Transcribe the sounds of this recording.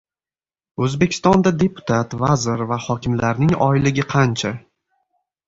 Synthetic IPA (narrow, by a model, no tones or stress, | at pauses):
ɵzbekʲʰɪ̥st̪ɒnd̪ad̪e̞pʰʊ̥t̪ʰat̪vazɪɾvahɒkʲʰɪmlaɾnɪŋɒɪlɪɡʲɪqʰɑnt͡ʃʰa